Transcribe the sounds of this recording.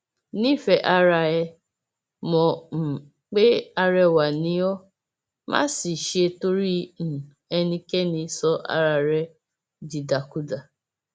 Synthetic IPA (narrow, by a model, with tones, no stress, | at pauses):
nĩ˦˨fɛ˧˦ʔa˧ɾa˧ɛ˧ | mɔ̃˨m̩˨ | k͡pe˦a˧ɾɛ˧wa˨nĩ˨˦ɔ˦ | mã̰˦si˨ʃe˧to˦ɾi˦n̩˨ | ɛ˧nĩ˧kɛ˦nĩ˧sɔ˧ʔa̰˧ɾa˧ɾɛ˧ | di˨da˨ku˦da˨